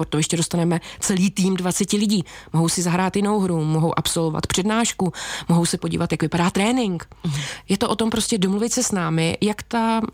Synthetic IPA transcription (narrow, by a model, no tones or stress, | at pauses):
oɾt̪ojɛʃcɛdo̞st̪anɛmɛt͡sɛliːt̪iːmdvat͡sɛcɪlɪɟiːmo̞ɦo̞wsɪzaɦɾaːt̪jɪno̞wɦɾumoɦo̞wʔapso̞lova̰t̪pr̝̥ɛdnaːʃkumoɦo̞wsɛpo̞ɟḭvat̪jakvɪpadaːt̪ɾɛːnɪŋkjɛt̪oʔo̞t̪o̞mpɾo̞scɛdomluvɪt̪sɛsnaːmɪjakt̪a